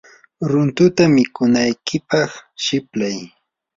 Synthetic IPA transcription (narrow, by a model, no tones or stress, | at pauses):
ɾʊnt̪ʊt̪amɪkʊnajkɪpɑχʃɪplaj